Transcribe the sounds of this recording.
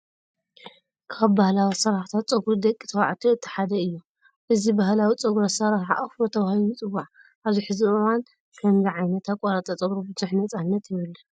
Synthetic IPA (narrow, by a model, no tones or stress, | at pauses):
kʰaβbahlawisɐɾaħt̪ʰat̪̚t͡sʼɐɡɾud̪ɐkʼːi̥t̪ʰɐwa̰ʕt̪ʰuɨt̪ʰːi̥ħad̪ɐɨjːo | ʔɨzibaɦlawit͡sʼɐɡuɾɐsɐɾaħa̰ʔafɾot̪ʰɐβahlumɨt͡sʼɨwaʕ | ʔaβziħɨziɨwan | kʰɐmziʕajnɐt̪ʰakʼaɾat̪ʼɐt͡sʼɐɡɾobɨzuħnɐt͡sʼanːɐt̪jɪβɨlːɐ